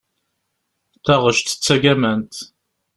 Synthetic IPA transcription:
t̪æʁəʃt̪t͡sːæɡæmænt̪

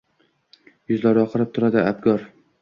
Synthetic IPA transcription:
jʊzlaɾjɒqʰɨɾɪp̚t̪ʰʊɾad̪ɪab̚ɡɒɾ

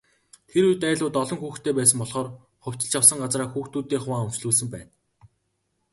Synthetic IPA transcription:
t̪ʰeɾujt̪æːɮʊːt̪ɔɮɞ̆ŋxuːxt̪ʰeːpæːsə̆mpɔɮχɔːr | χʊw̥ʲt͡ɕɪ̆t͡ɕjawsə̆ŋɢat͡sraːxuːxt̪uːt̪eːŋχʊwaːɵm̥t͡ɕɮuːs̬ɘ̆mpæːn

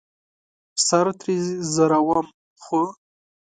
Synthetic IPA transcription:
saɾt̪ɾizaɾawam | xu

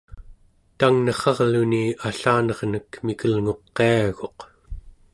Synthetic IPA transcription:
t̪aŋnʌχɑʁluniaɬaːnʌʁnəkmikʰəlŋo̞qːeaɣo̞q

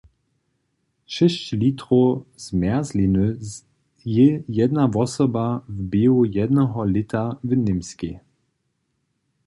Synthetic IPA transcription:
ʃɛʃclitʁozmɛɐzlinø | jejɛdnavɔsɔbavbeːojɛdnəɦɔlɪtʰavənɪmske

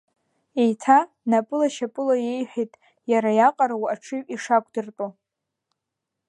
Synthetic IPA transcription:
ejtʰa | napʼɨlaʃapʼɨlaje̞jħʷᶣijtʼ | jaɾajaqʼaɾawaʈ͡ʂʰɨɥʼiʂakʷʰʼdɨrtʼo

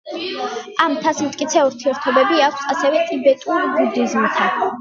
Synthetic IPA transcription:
amt̪ʰasmt̪ʼkʼit̪sʰɛuɾt̪ʰiɛɾt̪ʰɔbɛbiakʷʰsasɛvɛt̪ʼibɛt̪ʼuɾbud̪izmt̪ʰa

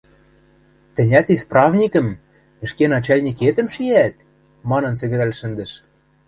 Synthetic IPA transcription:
t̪ɘ̆nʲæt̪isprɑvnʲikə̆m | ɘ̆ʃkenɑt͡ɕɑlʲnʲiket̪ə̆mʃiæt̪̚ | mɑnɤ̆nsɘ̆ɣɘ̆ɾælʲʃɘ̆nd̪ɘ̆ʃ

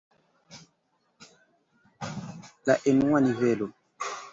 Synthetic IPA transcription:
laʔenuwanivɛlo

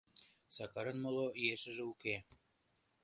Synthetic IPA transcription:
sɑkɑɾɤnmolˠojeʃɘ̆ʒɘ̆uke

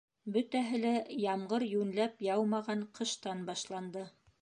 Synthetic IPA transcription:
bɵ̆t̪æɦɘ̆læjɑmɢɤɾjʉnlæpjɑwmɑʁɑɴqɤ̆ʃt̪ɑnbɑʃlˠɑnd̪ɤ

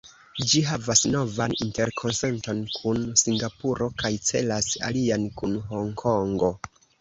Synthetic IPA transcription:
d͡ʒiɦavasno̞vaninte̞ɾkʰo̞nse̞nto̞nkʰunsiŋɡapuɾo̞kajt͡se̞̰lasa̰liankunɦo̞ŋkʰo̞ŋɡo̞

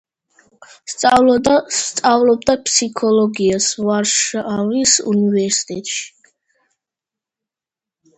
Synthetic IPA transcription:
st̪sʼa | t̪sʼavlɔb̚d̪apʰsikʰɔlɔɡiasvaɾʃavisṵnivɛɾsi̥t̪ʼɛt̪ʼʃi̥

